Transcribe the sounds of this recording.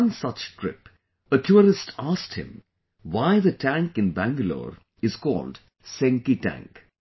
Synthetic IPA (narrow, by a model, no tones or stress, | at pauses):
nsʌt͡ʃʈɾɪ̰p | əʈʰjuːɾɪsʈʰasʈhɪ̰̃m | waɪðəʈæ̃ŋkɪ̃nbæ̃ŋɡəlo̰ːɾ | ɪz̥kɔ̰ːlɖ | sẽŋkiʈæ̰̃ŋk